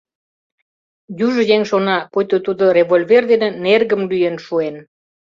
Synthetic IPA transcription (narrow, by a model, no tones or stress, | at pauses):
juʒə̆jeŋʃonɑpojt̪ot̪ud̪o̽reβolʲverd̪enĕnerɣəmlyjenʃuen